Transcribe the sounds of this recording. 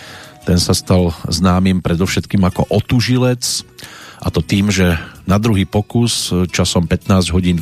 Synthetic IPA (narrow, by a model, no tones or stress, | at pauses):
t̪ɛnsast̪alznaːmimpɾɛd̪ɔʊʃɛt̪kiːmakɔʔɔt̪uʒilɛt͡s | ʔat̪ɔt̪iːmʒɛnad̪ɾuɦiːpɔkust͡ʃasɔmpɛt̪naːzɟɦɔɟiːn